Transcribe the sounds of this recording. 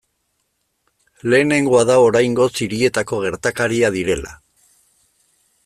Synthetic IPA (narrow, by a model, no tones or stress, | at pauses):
le̞ːne̞ŋɡo̞aðao̞ɾajŋɡo̞siɾie̞t̪ako̞ɣ̞e̞ɾt̪akaɾiaðiɾe̞la̰